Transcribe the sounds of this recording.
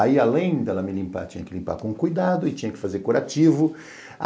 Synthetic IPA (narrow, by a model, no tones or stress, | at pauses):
aialẽj̃d̪ɛlɐmɪlĩmpa̰t͡ʃĩɲɐkɪlĩmpa̰ɾkõũkujd̪ad̪ʊɪt͡ʃĩɲɐkɪ̥fazeɾkoɾat͡ʃivʊ | a̰